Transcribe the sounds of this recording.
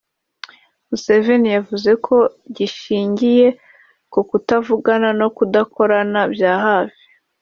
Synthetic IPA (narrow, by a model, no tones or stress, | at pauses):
muse̞ve̞nijavuze̞kʰo̞ɟiʃiːɲɟije̞ | kokutavuɡanano̞kudako̞ɾanabjaːɦaːvi